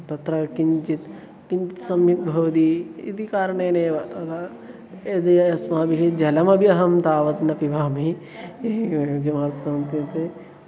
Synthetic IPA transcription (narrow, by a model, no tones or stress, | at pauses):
t̪ɐt̪ɾɐkiɲt͡ʃit̪ | kiɲt͡ʃit̪sɐmjuk̚bʱɐʋɐt̪iːḭt̪ikaːɾɐɳeːneːʋɐt̪ɐt̪a | eːd̪ɐjɐɐsmaːbiɦid͡ʒɐlɐmɐbjɐɦɐmt̪aːʋɐt̪nɐpibʱaːmi | kemaːɾt̪kɐnt̪it̪e